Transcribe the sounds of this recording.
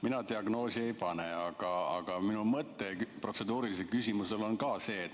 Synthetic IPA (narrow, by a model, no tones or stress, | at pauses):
minɑt̪iɑɡno̞ːsʲiejpɑne̞ɑɡ̥ɑɑɡ̥ɑminumɤt̪ːe̞pro̞t̪se̞d̪uːɾilis̬elkysʲimuse̞lo̞nkɑːse̞ːt̪ː